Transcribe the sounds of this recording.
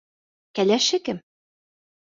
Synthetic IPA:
kælæʃɘkɘm

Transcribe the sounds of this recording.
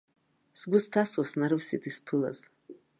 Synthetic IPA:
sɡʷʊstʰaswasnaɾɨvsitʰispʰɨla̰z̥

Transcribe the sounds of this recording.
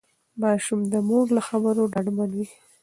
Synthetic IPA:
mɑʃumd̪əmoɾlaxabəɾoɖaɽmanwi

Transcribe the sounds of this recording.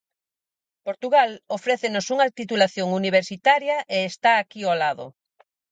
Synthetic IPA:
poɾt̪uɣalofɾɛθenosuŋat̪it̪ulaθjoŋuniβ̞eɾsit̪aɾjɐʔeːst̪aːkiolaðo̰

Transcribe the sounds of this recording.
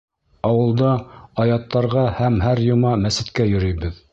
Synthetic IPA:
ɑwɤ̆lˠd̪ɑɑjɑt̪ːɑɾʁɑhæmhæɾjŏmɑmæsɘ̆t̪kæjɵ̆ɾɵjbɘð

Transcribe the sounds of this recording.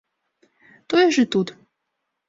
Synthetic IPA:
t̪ojʒɨt̪ut̪

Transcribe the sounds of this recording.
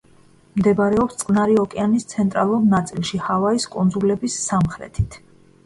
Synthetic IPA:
md̪ɛbaɾɛɔpst̪sʼqʼnaɾiɔkʼɛanist̪sʰɛnt̪ʼɾalˠuɾnat̪sʼilˠʃihavaiskʼund̪zulɛbisːamχɾɛ̰t̪ʰit̪ʰ

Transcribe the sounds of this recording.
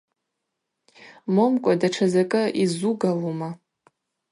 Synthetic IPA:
momkʷʼadaʈ͡ʂʰazakʼɨʔizuɡaluma

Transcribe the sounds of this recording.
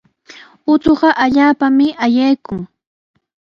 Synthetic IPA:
ʊt͡soɢɑʔaʎaːpamɪʔajajkʊŋ

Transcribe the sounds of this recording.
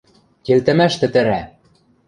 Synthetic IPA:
kʲelt̪ɘ̆mæʃt̪ɘ̆t̪ɘ̆ɾæ

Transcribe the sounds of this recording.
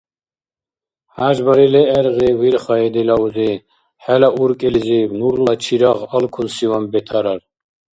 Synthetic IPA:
haʒbaɾilɛːɾʁiwiɾχaɛd̪ɛlauzi | ħɛlaʔuɾkʼilzibnuɾlat͡ʃʰiɾaʁalkʰunsiwambɛt̪ʰaɾaɾ

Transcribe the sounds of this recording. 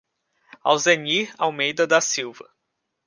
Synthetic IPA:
a̰wzeniɾa̰wmejd̪ɐd̪ɐsiwvɐ

